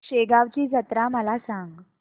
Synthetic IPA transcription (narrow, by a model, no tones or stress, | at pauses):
ɕeɡaʋt͡ɕiːsət̪ɾaməlasãŋɡ